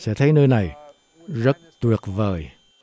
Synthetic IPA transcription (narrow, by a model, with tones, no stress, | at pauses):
sɛ̰˧˥t̪ʰə˨˦jnəː˧jna˨˩j | zə˦˥t̚t̪wi˨˩ək̚vəː˨˩j